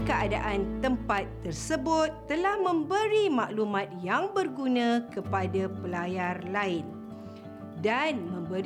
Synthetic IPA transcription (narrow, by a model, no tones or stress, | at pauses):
kəada̰ʔant̪əmpat̪ːərsəbʊt̪ːəlahmə̃mbəɾimaʔlumãt̪̚jaŋbərɡunãkəpadapəlajarlaɪn | danmə̃mbə